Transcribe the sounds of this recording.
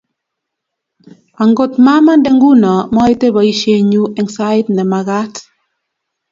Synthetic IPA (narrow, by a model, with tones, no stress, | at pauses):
a˨ŋɡo˨tma˦ma˦ndɛ˨ŋɡu˦nɔ˨mɔ˦e˦te˦ba˨i˦ʃe˦ɲu˦ɛ˨ŋsa˦ɪ˦tnɛ˨ma˨ɣa˦t